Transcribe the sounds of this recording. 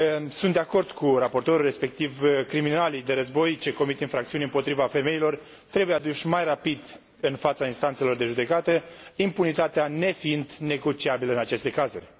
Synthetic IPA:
sunt̪d̪eako̞rd̪kʰurapo̞rt̪o̞ɾulre̞spe̞k̚t̪ivkɾiminalid̪e̞ɾəzbo̞jt͡ʃe̞ko̞mit̪ɨnfɾakt̪siuneɨmpo̞t̪ɾivafe̞me̞ilo̞r | t̪ɾe̞bujead̪uʃʲmajrapid̪ | ɨnfat̪sainst̪ant̪se̞lo̞rd̪e̞ʒud̪e̞kat̪əimpunit̪at̪eane̞fiɨnd̪ne̞ɡo̞t͡ʃiabiləɨnat͡ʃe̞st̪e̞kazurʲ

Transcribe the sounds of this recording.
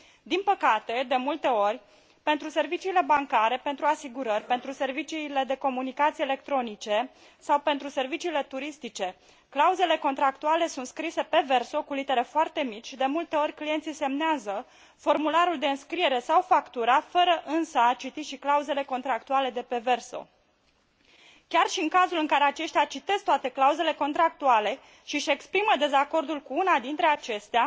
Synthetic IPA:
d̪inpəkat̪e̞d̪e̞mult̪e̞o̞rʲ | pe̞nt̪ɾuse̞rvit͡ʃiːle̞baŋkaɾe̞pe̞nt̪ɾuasiɡuɾərʲpe̞nt̪ɾuse̞rvit͡ʃiːle̞d̪e̞ko̞munikat̪sijele̞k̚t̪ɾo̞nit͡ʃe̞ | sawpe̞nt̪ɾuse̞rvit͡ʃiːle̞t̪uɾist̪it͡ʃe̞ | klauze̞le̞ko̞nt̪ɾak̚t̪uale̞sunt̪skɾise̞pe̞ve̞rso̞kulit̪e̞ɾe̞foart̪e̞mit͡ʃʲd̪e̞mult̪e̞o̞ɾʲklije̞nt̪sise̞mneazə | fo̞rmulaɾuld̪e̞ɨnskɾie̞ɾe̞sawfakt̪uɾafəɾəʔɨnsəat͡ʃit̪iʃiklauze̞le̞ko̞nt̪ɾakt̪uale̞d̪e̞pe̞ve̞rso̞̰ | kʲarʃiɨŋkazulɨŋkaɾe̞at͡ʃe̞ʃt̪eat͡ʃit̪e̞st̪oat̪e̞klauze̞le̞ko̞nt̪ɾak̚t̪uale̞ | ʃiʃe̞kspɾiməd̪e̞zako̞rd̪ulkuunad̪int̪ɾe̞at͡ʃe̞st̪ea

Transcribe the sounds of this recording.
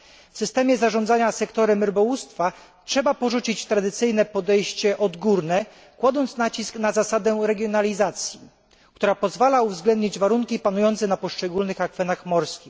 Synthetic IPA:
fsɘst̪ɛmʲjɛzaʐɔnd̪aɲasɛkt̪ɔɾɛmɾbɔwust̪fa | tʂɛbapɔʐut͡ɕit͡ɕt̪ɾad̪ɘt̪sɘjnɛpɔd̪ɛjɕt͡ɕɛʔɔd̪ɡuɾnɛ | kwad̪ɔnt̪snat͡ɕisknazasad̪ɛɾɛɡʲjɔnalʲizat̪sʲji | kt̪uɾapɔzvalauvzɡlɛnd̪ɲid͡ʑvaɾuŋkʲipanujɔnt̪sɛnapɔʂt͡ʂɛɡulnɘxakfɛnaxmɔɾskʲi

